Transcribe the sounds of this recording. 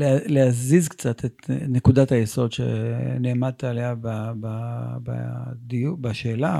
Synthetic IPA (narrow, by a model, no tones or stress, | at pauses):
leleazizkt͡sat̪ʰet̪nekudatajeso̞d̪ʃḛneːmad̪̚t̪aːleabababa̰d̪ijubaʃe̞ːla